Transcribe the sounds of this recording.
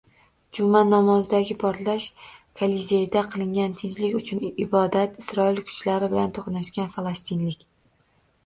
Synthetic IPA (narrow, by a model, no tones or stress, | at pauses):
d͡ʒʊmanːɒmɒzd̪aɡʲɪpʰɒɾlaʃkʰalizʲejd̪aqʰɨlˠɪŋɡʲant̪ʰenzlɪkʲʊt͡ʃʰʊnɪbɒd̪at̪ɪ̥sɾɒɪlkʰʊ̥t͡ʃlaɾɪbɪlant̪ʰoχnaʃkʲanfalˠast̪ʰɪnlɪkʲ